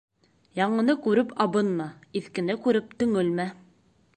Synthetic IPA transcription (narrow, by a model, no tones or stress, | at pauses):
jɑɴɤ̆nɤkʉɾɘpɑbɤnmɑiθkɘ̆nɘkʉɾɘp̚t̪ɵ̆ŋɵlmæ